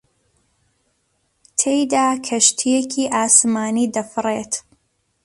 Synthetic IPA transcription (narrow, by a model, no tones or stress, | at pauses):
t̪ʰejd̪aːkʰɐʃt̪ʰijekʰiːʔaːsmaːniːd̪ɐfɨret̪